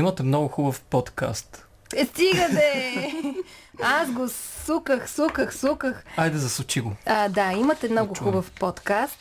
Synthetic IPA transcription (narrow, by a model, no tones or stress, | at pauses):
imɐt̪ɛmnɔɡʊxubəfpɔt̪ka̰st̪ | st̪iɡət̪ɛ | asɡosukəxsukəxsukəxajd̪ɛzɐsut͡ʃiɡoəd̪aimət̪ɛmnɔɡʊxubəfpɔt̪kast̪